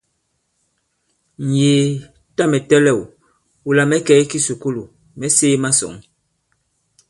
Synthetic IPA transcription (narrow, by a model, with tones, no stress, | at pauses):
n̩˨jeː˨ | ta˦mɛ˨tɛ˦lɛ˦˨w | u˨la˨mɛ˦kɛ˦ki˦su˨ku˦lu˨ | mɛ˦seː˦ma˦sɔ̰˨ŋ